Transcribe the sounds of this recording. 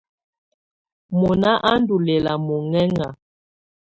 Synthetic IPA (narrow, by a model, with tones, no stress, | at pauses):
mɔ˨na˦ʔa˦n˦du˨lɛ˨la˨mɔ˨ŋɛ˦ŋa˨